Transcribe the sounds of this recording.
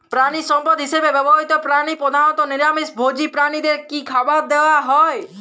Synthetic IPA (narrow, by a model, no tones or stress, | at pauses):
pɾaɽ̃isɔmpɔd̪ɦɪsebeʋɛbɔɦit̪ɔpɾaɽ̃ipɾɔd̪ʱanɔt̪ɔnɪɾjamisbʱod͡ʒipɾaɽ̃id̪eɾkikʰabad̪eʋaɦɔe